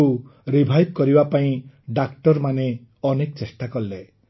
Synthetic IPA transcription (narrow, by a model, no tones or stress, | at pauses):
uɾibʱajb̚kɔɾibapaĩ | ɖakʈɔɾmane | ɔnekɔt͡ʃesʈakɔlːe